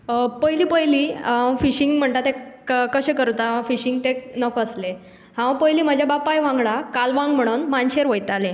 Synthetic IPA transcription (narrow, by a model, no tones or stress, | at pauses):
pəɦjliːpəjliːãwfiɕiŋɡm̤əɳt̪at̪ekəɕẽkəɾut̪afiɕiŋɡt̪enəkəsle | hãwpəɦjliːm̤əd͡ʑʱjabapajʋãŋɡɽakalʋãŋɡm̤əɽ̃uːnmanɕeɾʋəjt̪ale